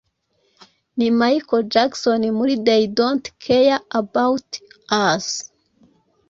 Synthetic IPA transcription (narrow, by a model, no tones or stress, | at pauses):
nimajkod͡ʒaksonimuɾidejdontkʰejaabawtas